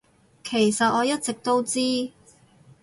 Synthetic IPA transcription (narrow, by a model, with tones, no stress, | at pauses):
kʰe˨˩jsɐ˨t̚ʔɔː˨˧jɐ˥t̚t͡sɪ˨k̚t̪o˥wt͡siː˥